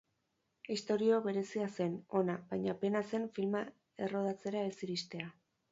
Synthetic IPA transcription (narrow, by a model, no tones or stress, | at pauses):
ist̪o̞ɾio̞βe̞ɾe̞siase̞no̞naβajɲape̞nase̞nfilma | e̞ro̞ð̞at͡se̞ɾaesiβist̪e̞a